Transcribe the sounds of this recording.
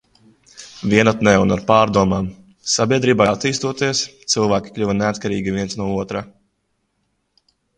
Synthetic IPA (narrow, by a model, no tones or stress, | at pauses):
vʲiɛnat̪nɛːunaɾpaːɾd̪uɔmaːm | sabʲiɛd̪ɾiːbaat̪ːiːst̪uɔt̪iɛst̪silˠvæːkʲi̥klʲuvaneat̪kaɾiːɡʲivʲiɛntsnuɔuɔt̪ɾa